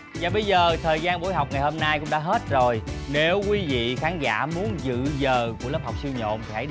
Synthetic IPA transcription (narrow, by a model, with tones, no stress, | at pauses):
zaː˨˩ɓə˧jzəː˨˩t̪ʰəː˨˩jzaː˧nɓo̰˧˥˦jɦa˨˩wk͡p̚ŋa˨˩jho˧mnaː˧jkʊ̰˧˥ŋ͡mɗa̰ː˧˥ɦe˦˥t̚zo˨˩jne˨˦wkwi˧vḭ˧˨xaː˨˦nza̰ː˧˥mu˨˦ənzɨ̰˧˨zəː˨˩ku˧˩ələ˦˥p̚ha˨˩wk͡p̚si˧wɲo̰˧˨nt̪ʰi˨˩ha̰˧˦j